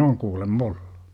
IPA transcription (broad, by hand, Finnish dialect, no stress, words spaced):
oŋ kuːlemː ol̥ːu̥